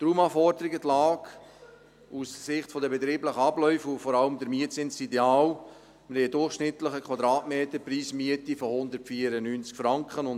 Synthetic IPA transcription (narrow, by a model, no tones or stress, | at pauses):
t̪ɾuːmɑfɔɾdəɾiɡətlɑːk | ussɪχtfɔdəbɛt̪ɾiːbləχəɑblœʏfufɔɾɑləmdəɾmiətsɪnsideɑːl | məɾhɛɪdʊrχʃnɪt̪ləχəkʰwɑd̪ɾɑːtmeːtəɾpriːsmiətifɔhʊnd̪əɾtfiːəɾənyːnt͡skfɾɑŋkχənʊn